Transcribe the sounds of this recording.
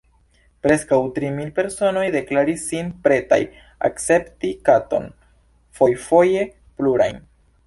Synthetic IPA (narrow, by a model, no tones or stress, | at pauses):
pɾe̞skawtɾimilpe̞ɾso̞no̞jde̞klaɾisːinpɾe̞ta̰j | a̰kt͡se̞ptikato̞̰n | fo̞jfo̞je̞ | pluɾa̰jn